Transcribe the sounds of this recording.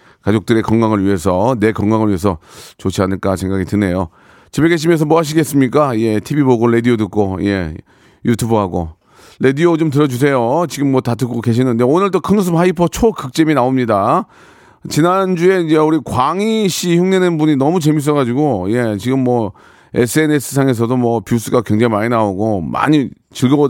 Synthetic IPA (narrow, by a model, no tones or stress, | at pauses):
kad͡ʑok̚t͈ɯɾe̞kʌŋɡaŋɯɭɥiɦe̞sʰʌne̞kʌŋɡaŋɯɭɥiɦe̞sʰʌt͡ɕot͡ɕʰiɦanɯɭk͈asʰe̞ŋɡaɡitɯne̞jo | t͡ɕibeɡe̞ɕ̬ʰimjʌns̬ʌmwoɦaɕ̬ʰiɡe̞s͈ɯmɲik͈aije̞tʰibiboɡoɾe̞diodɯk͈̚oje̞̰ | jutʰubɯɦaɡo̰ | ɾe̞diot͡ɕomt̬ɯɾʌd͡ʑus̬ʰe̞jot͡ɕiɡɯmːwʌtatɯk͈oke̞ɕ̬ʰinɯnde̞onɯɭt͈okʰɯnus̬ʰɯmaipʰʌt͡ɕʰokɯk̚t͡ɕ͈eminaomɲida | t͡ɕinand͡ʑue̞id͡ʑeuɾikwaŋiɕʰiçuŋnenɯnbuɲinʌmut͡ɕe̞mis̬͈ʌɡad͡ʑiɡoje̞t͡ɕiɡɯmːʌ | ḛsʰɯe̞ne̞sʰɯ̥sʰaŋe̞s̬ʰʌdomwʌpjus̬͈ɯɡakweŋd͡ʑeŋimaɲinaoɡoma̰ɲi | t͡ɕɯɭɡʌbo